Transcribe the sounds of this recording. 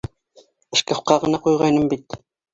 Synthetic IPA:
ɘ̆ʃkɑfqɑʁɤ̆nɑqujʁɑjnɤmbit̪

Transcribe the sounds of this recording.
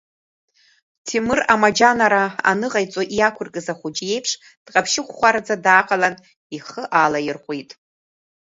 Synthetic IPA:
tʰimɨramad͡ʒanaɾaa̰nɨʁajt͡sʼoʔiakʷʰʊrkʼɨzaχʷʊd͡ʒje̞jpʰʂ | d̥qʼapʰʃɪχʷχʷaɾad͡zadaːqʼalan | iχəʔalajɪrχʷʼitʼ

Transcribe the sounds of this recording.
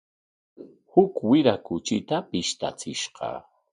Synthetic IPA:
hʊkwɪɾakʊt͡ʃɪt̪apɪʃt̪a̰t͡sɪʃɢɑ̰

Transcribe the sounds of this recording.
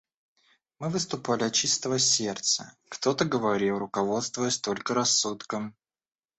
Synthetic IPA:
mɨvɨst̪ʊpalʲɪɐt̚t͡ɕist̪əvəsʲe̞rt̪sə | kt̪o̞t̪əɡəvɐɾʲilˠɾʊkɐvo̞t̪st̪vʊjɪsʲt̪o̞lʲkəɾɐsːut̪kəm

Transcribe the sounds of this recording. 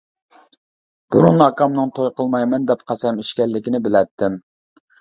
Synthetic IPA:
b̥uɾunɑkɑmnɨŋt̪ʰojqəlˠmɑjmɛnd̪ɛpqʰɑsɛmiʃkʲɛlːɪkʲɪnɪbɪlɛt̪ʰːɪm

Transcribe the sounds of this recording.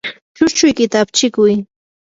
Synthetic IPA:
t͡ʃʊt͡ʃʊjkɪt̪aːpt͡ʃɪkʊj

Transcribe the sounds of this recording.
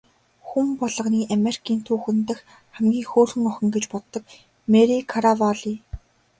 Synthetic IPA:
xumpɔɮɞ̆qniːʔameri̥kʰiːnt̪ʰuːxɘ̆nt̪ə̆x | χæmɡʲiːŋxoːrxɘ̆ŋɔxɞ̆ŋɡet͡ɕpɔt̪ːɞ̆k̚ | meɾikʰaɾawaɮi

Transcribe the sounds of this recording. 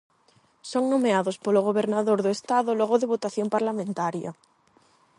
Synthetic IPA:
soŋnomeaðospoloɣ̞oβeɾnaðoɾðoest̪aðoloɣ̞oðeβot̪aθjompaɾlamẽnt̪aɾja̰

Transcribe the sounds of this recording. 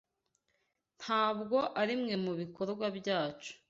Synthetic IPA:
n̥haːbɡo̞ʔaɾimŋe̞muβiko̞ɾɡwabɟaːt͡ʃu̥

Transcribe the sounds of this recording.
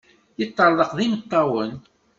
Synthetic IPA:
jət̪ːəɾˤðˤəqðimət̪ˤːɑwən

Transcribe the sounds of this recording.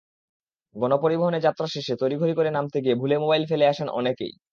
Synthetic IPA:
ɡɔnopoɾiboɦoned͡ʑat̪ːɾaʃeʃet̪ojɾiɡʱoɾikoɾenamt̪ʰekiebʱulemobajlfeleaʃenʔɔ̰nekḛj

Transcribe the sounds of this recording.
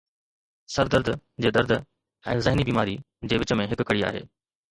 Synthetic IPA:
sɐɾd̪əɾd̪ʱd͡ʑeːd̪ɐɾd̪ʱ | ɛ̃ːzɐɦɪnibiːmaːɾi | d͡ʑeːʋɪt͡ɕəmẽɦɪkʊkɐɽia̰ːɦḛː

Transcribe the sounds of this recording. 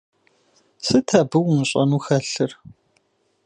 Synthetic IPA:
sɨtʰɐbɨwʊmɕʼɐ̰nuːxɐɬɨr

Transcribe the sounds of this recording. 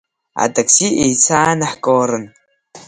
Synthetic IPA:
a̰dʼɐksiʔejt͡sʰaːnaħkʼoːɾɨn

